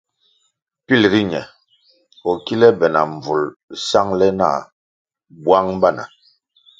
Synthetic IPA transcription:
pi˦˨lɾi˦ɲɛ̰˨ | ɔ˨ki˦lɛ˦bɛ˨na̰˨ɱ˨b͡vu˨lsa˦ŋlɛ˦na̰˦˨ | bwa˦ŋba˦˨na̰˨

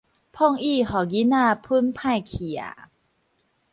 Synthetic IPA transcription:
pʰɔ˥˩˨ŋʔiː˥˩hɔː˨˩ɡi˧˦˥naː˥˩˨pʰɯ˦˥˨npʰaː˥˩˨jkʰi˨˩ə̰˩

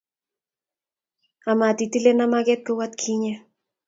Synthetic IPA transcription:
a˨ma˨t̪i˨ti˦le˦na˦ma˦ɡɛ˦t̪̚ko˦wa˦t̪kʰi˦ɲe˦

